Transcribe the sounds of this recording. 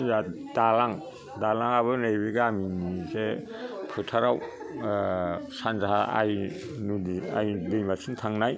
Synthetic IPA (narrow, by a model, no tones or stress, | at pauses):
zadalaŋ | dalaŋaβɯnejbiɡaminisepʰɯtʰaɾaw | sanzaa̰j | nudia̰jdejmasʰintʰaŋnaj